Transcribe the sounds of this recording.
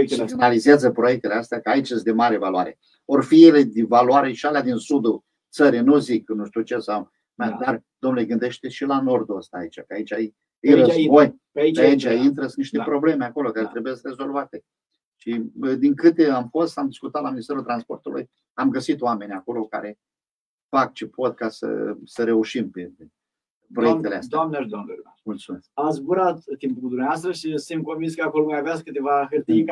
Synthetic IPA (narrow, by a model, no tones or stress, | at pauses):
inalizeazəpɾo̞jek̚t̪eleast̪eakəait͡ʃesd̪emaɾe̞valuwaɾe̞̰ | orfiele̞d̪ivaluaɾe̞ʃialead̪insud̪u | t̪səɾinuziknuʃt̪ʲiut͡ʃe̞saw | mad̪ar | d̪omnuleɡɨnd̪e̞ʃt̪e̞ʃilano̞rd̪uəst̪aːit͡ʃakəait͡ʃaj | isoj | iait͡ʃaint̪ɾəsniʃt̪e̞pɾo̞ble̞meako̞lo̞kaɾe̞t̪ɾebujest̪ʲre̞zo̞lvat̪e̞ | ʃid̪iŋkɨt̪e̞amfo̞st̪amd̪iskut̪at̪laminist̪eult̪ɾanspo̞rt̪ulʔṵj | amɡəsit̪oame̞nʲako̞lo̞ka̰ɾe̞ | fak̚t͡ʃepʰo̞t̪̚kasə̰səɾe̞uʃimpee | pɾojek̚t̪elea̰sd̪d̪amneʃd̪od̪ | mult̪sume̞skasbuɾat̪ːimpud̪umneast̪ɾəʃisɨnt̪̚konvinskəakoloumavaskɨt̪evaɦɨrt̪i